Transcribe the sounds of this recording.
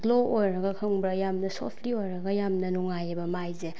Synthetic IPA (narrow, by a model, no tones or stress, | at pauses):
ɡloojɾɐɡɐkʰɯŋbɾɐjamnɐso̰pʰliojɾɐɡɐjamnɐnuŋajebɐmajze